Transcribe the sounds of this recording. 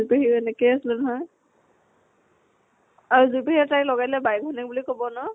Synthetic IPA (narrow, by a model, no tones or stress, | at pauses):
uɹpeɦiɛnɛkejasilɛnɔɦɔj | aɹuzupehitajlɔɡajlɛbajɡʱɔnik̚bulikobɔnɔ